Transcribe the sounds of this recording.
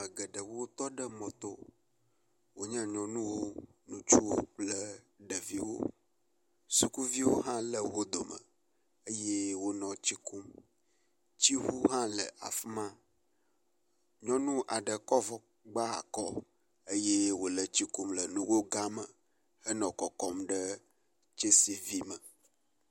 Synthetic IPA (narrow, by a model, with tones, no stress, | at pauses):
mə˨ɡə˨ɖə˨wo˦wo˦t̪ɔ˦ɖə˦mɔ̃˨t̪o˦ | wo˦ɲɛ̃˦ɲɔ̃˨nũ˦wo˦nũ˦t͡ʃu˦wo˦k͡plə˦ | ɖə˨vi˦wo̰˦ | su˨ku˦vi˦wo˦ɦã˦lə˨wo˦d̪o˨mə̰˨ | ə˦je˦wo˦nɔ̃˨t͡ɕi˦kʰu˦m | t͡ɕi˦ɦu˦ɦã˦lə̰˨ʔa̰˨fmã˦ | ɲɔ̃˦nũ˦ʔa˨ɖə˨kɔ˦vɔ˦ | ɡ͡ba˦a̰˨kɔ˦ | ə˦je˦wo˨lə˨t͡ɕi˦ku˦mlə˨nũ˦wo˦ɡa˦mə˨ | hə˦nɔ̃˨kɔ˨kɔ˦mɖə˦ | t͡ʃe˦si˨vi˦mə˨